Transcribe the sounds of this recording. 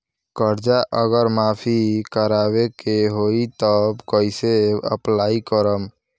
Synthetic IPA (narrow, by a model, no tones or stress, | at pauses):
kəɾd͡ʒaʔəɡəɾmapʰikəɾabekeɦoit̪əbkəɪseə̰plaːikəɾəm